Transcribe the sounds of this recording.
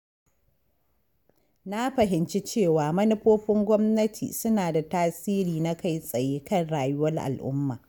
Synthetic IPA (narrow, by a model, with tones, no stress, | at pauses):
na˦ɸɐ˨ɦɪ˨nt͡ʃi˦t͡ʃeː˦˨waː˨mɐ˦nʊ˦ɸoː˦ɸɪ˦ŋɡʷɔ˦mnɐ˦tʰḭː˨sʊ˦naː˨da˨taː˦siː˦ɾiː˨na˦ka˦jsʼɐ˨jeː˦kɐ˦˨nɽaː˨jʊ˦wɐ˦rʔa̰˨lʔʊ̰˦mːa̰ː˨